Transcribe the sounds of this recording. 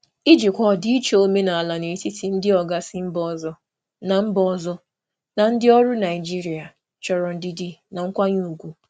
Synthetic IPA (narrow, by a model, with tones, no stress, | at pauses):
i˦d͡ʒi˨kʷɔ˦˨dɪ˦i˦t͡ʃe˦o˦me˦na˨a˨la˨ne˨ti˦ti˨n̩˦dɪ˦ɔ˨ɡa˦sɪ˦m̩˦bɔ˦zɔ˦ | na˨m̩˦bɔ˦zɔ˦ | na˨n̩˦dɪ˦ɔ˦ɾʊ˦na˨ɪ˨d͡ʒi˦ɾi˨a˨ | t͡ʃɔ˨ɾɔ˨n̩˦dɪ˦di˦˨na˨ŋ̩˦kʷa˦ɲu˦u˨ɡʷu˦